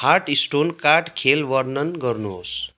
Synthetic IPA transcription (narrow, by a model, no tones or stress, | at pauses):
harʈisʈonkaʈkʰelʋʌrnʌnɡʌrnuɦos